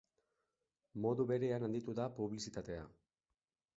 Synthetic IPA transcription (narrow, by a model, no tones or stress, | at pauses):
mo̞ðuβe̞ɾeanand̪it̪uðapuβlisit̪at̪e̞a̰